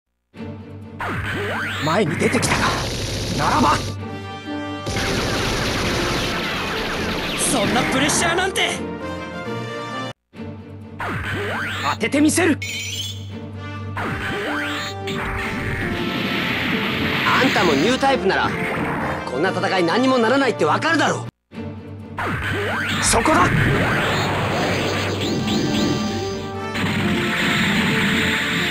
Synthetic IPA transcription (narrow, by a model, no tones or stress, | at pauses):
mae̞ɲ̟id̪e̞t̪e̞kʲi̥t̪akanaɾaba | sõ̞nːapɯ̟ɾe̞ɕːaːnãnt̪e̞ | at̪e̞t̪e̞mʲise̞ɾɯ̟ | ãnt̪amo̞ɲɨːt̪aipɯ̟naɾa̰ | kʰõ̞nːat̪at̪akainãɲ̟ːimo̞naɾanait̪ːe̞βakaɾɯ̟d̪aɾo̞ː | so̞ko̞d̪a